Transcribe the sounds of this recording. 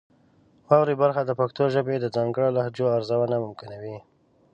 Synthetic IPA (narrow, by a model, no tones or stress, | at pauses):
wɑwɾibaɾxad̪əpakt̪oʒəbed̪əd͡zɑŋɡəɽolahd͡ʒoaɾzawanamʊmkɪnawi